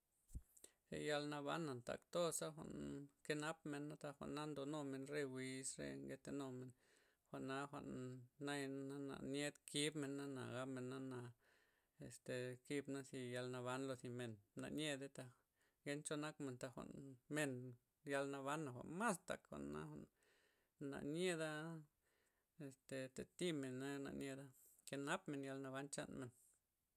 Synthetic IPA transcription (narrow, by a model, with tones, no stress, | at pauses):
sḛ˧ja˧lna˧βa˧˦nːa˨nt̪a̰˨kt̪o˦sa˦xʷa̰˨ʔnke˧na˦p̚me˧nːa˦t̪a˧xʷa̰˨ʔnːa˦nd̪o˧no˧me˧nɾe˧wi˧sɾḛ˧ŋɡe˧t̪e˧no˧me˧n | xʷa˨ʔnːa˧˦xʷa̰˧ʔnːa˦ja˦na̰˨ne˦d̪kʰi˦bme˧nːa˦na̰˨ɡa˦pme˧nːa˦na˧ | e˨st̪e˨ki˧bna˦si˧ja˧lna˧βa˧˦nlo˧si˧me˨nna̰˧ʔɲe˧d̪e˦t̪a˧ | ɡe˧˦nt͡ʃo˧na˦kme˧nt̪a˧xʷa̰˧˨ʔnme˧n | ja˧lna˧βa˧˦nːa˨xʷa̰˧ʔnma˦st̪a̰˨kxʷa̰˨ʔnːa̰˧xʷa̰˨ʔn | na̰˨ne˧d̪a˦ | e˧st̪e˨t̪e˨t̪i˦me˨nːa˦˧na̰˧˨ɲe˧d̪a˦ | ke˧na˦pme˧nja˧lna˧βa˦nt͡ʃa̰˧nme˨n